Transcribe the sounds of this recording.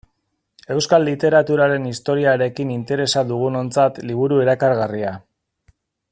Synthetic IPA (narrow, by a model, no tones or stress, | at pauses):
e̞wskalːit̪e̞ɾat̪uɾaɾe̞nist̪o̞ɾiaɾe̞kinint̪e̞ɾe̞saðuɣ̞uno̞nt͡sat̪liβ̞uɾue̞ɾakaɾɣaria